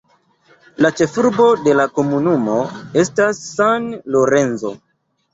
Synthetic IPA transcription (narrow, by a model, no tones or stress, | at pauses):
lat͡ʃe̞fuɾbo̞de̞lako̞munumo̞e̞stasːanlo̞ɾe̞nzo̞̰